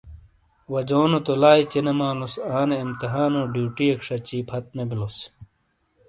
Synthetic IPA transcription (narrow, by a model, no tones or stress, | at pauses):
wɐd͡ʑoːnot̪olaːit͡ɕinemaːlusaːneimt̪iɦaːnoːɖjuːʈiekʂɐt͡ɕiːpʰɐt̪̚nebilos